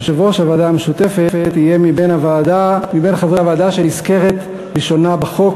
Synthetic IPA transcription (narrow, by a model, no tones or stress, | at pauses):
ʃevoʃavad̪ameʃut̪efefet̪hijemibenavaːdamibenχavʁeavaad̪aʃeiskeʁet̪ | biʃonabeχo̞k